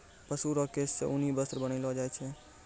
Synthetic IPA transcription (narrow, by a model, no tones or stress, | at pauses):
pəsuɾɔkessḛʔʊnibəsɾbəñilɔd͡ʒajt͡ʃʰɛ